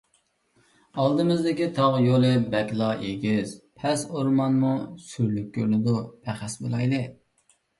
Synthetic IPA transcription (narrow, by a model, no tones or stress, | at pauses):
ɑlˠd̪ɨmɪzd̪ɪkʲit̪ʰɑʁjolˠɨbɛkʲlˠɑʔeɡʲiz̥pʰɛsoɾmɑnmusyɾlyk̚ʲːøɾnɪd̪upʰæχæsbo̰lˠɑjlɨ